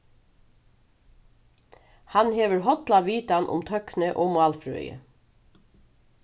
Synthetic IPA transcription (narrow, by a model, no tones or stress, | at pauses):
hɑnheːʋəɹɦɔt̪lɑʋiːt̪anʔʊ̰mt̪ʰœknəʔoːmʊɑːlfɹœ̰ːʏjə̰